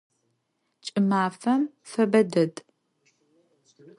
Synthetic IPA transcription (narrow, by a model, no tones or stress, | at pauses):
t͡ʃʼɪmaːfɐm | fɐbɐdɐd